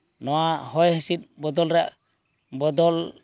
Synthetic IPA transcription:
nɔahɔjhɛsit̪̚bɔd̪ɔlɾa | bɔdɔl

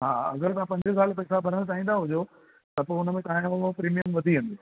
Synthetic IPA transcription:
ɦaːɐ̰ɡəɾt̪ɐãpɐ̃ɲd͡ʑəsaːlpɐɪsabʱɐɾəɽ̃t̪aːɦĩːnd̪aɦʊd͡ʑo | t̪ɐpoʊnəmẽt̪ɐãopɾiːmijəmʋɐd̪ʱiɦẽnd̪e

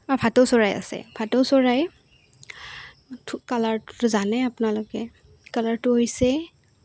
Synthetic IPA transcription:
bapʰatowsɔɹaja̰sɛ̰pʰatowsɔɹaj | tʰkalaɹttʊzanɛapʊnalʊkɛ | kalaɹtʊɦojsɛ

